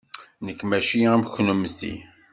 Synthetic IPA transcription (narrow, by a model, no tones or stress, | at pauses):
nəkːmæʃiæmçnumsḭ